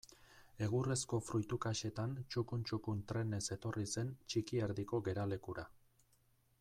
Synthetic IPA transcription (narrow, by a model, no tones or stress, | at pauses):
e̞ɣure̞sko̞fɾujt̪ukaʃe̞t̪ant͡ʃukunt͡ʃukunt̪ɾe̞ne̞se̞t̪o̞rise̞nt͡ʃikieɾðiko̞ɣe̞ɾale̞kuɾa